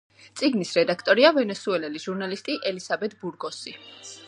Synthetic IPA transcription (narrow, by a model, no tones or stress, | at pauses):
t̪sʼiɡnisɾɛd̪akʰt̪ʼɔɾiavɛnɛsuɛlɛliʒ̥uɾnalist̪ʼiʔɛlisabɛt̪ʰbuɾɡɔsi